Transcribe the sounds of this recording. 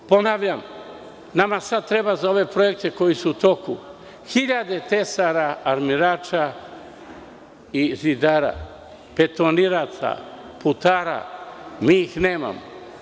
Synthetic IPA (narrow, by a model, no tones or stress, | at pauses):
po̞naʋʎam | namasad̪̚t̪ɾe̞bazao̞ʋe̞pɾo̞jek̚t̪e̞ko̞jisuut̪o̞ku | xiʎad̪e̞t̪e̞saɾaaɾmiɾaːt͡ʃa | izid̪aɾa̰ | pe̞t̪oniɾat̪sa̰ | put̪aɾa̰miixneːma̰mo